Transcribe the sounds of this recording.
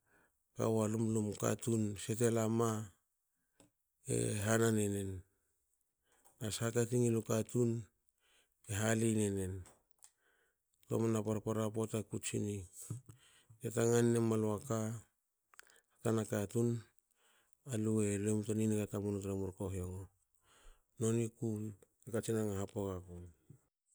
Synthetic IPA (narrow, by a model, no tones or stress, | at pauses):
ka̰walumlumka̰tunse̞te̞lama | ḛɦananene̞n | asakatiŋilukatun | eɦalinene̞n | to̰manapaɾpaɾapotakut͡ʃḭni | tetaŋanːemaloaka | hakanakatun | alue̞lemtoninikatamunotɾamuɾkoɦioɡo | no̞niku | ekat͡ʃinaŋaɦapokakon